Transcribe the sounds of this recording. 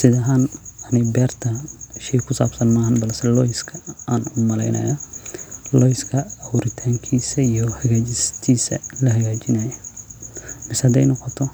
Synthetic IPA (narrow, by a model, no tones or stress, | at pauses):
sɪðɐɦaːnɐnɪbɛːrt̪ʰɐʃɛjkʰʊsa̰ːbsɐnmaːhɐnbɐlsɛlɔjskʰɐaːnʊmɐlɛ̰jnɐ̰jɐ | lɔjskʰɐɐhuɾɪt̪ʰaːŋkʰiːsɐijɔhɐɣaːd͡ʒɪst̪ʰiːsɐ̰lɐɦɐɣaːt͡ʃɪnɐjɐ | mɪshɐd̪ɛjnɔqɔt̪ʰɔ